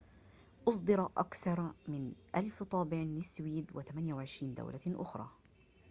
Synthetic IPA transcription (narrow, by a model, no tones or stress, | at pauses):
ʔʊsˤd̪ɨɾʔa̰kθɑɾˤmɪnʔalft̪ˤɑːbɪʕnɪswiːd̪wɪt̪amanjawɪʕɪʃɾiːnd̪a̰wlʔaʔʊ̰xɾˤɑ̰ː